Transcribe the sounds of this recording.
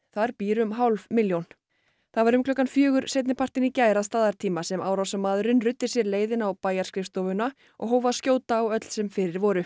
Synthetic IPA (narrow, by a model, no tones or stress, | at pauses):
θaɾpiːɾʏmɦawlvmɪljown | θaðvaɾʏmklœkːanfjœːɣʏɾsejt̪nɪpʰar̥t̪ɪnicaːjɾast̪aːðaɾt̪ʰiːmasɛmawɾawsamaːðʏɾʏnrʏt̪ːɪ̥sjɛɾleːjðɪnawpaːjaɾ̥skɾɪft̪ɔvʏna | ʔɔ̰ɣɦoːwvaðscjoːwt̪aːwœt̪l̥sɛmfɪɾɪɾvɔːɾʏ